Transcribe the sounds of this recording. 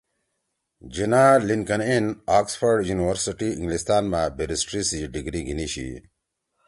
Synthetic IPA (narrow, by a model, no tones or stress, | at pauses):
d͡ʑinaːliŋkɐnenaːksfɐɾɖjuːniwɐɾsiʈiĩŋɡlist̪aːnmaːbʱeɾisʈɾiːsiɖiɡɾiːɡʱiniːɕḭ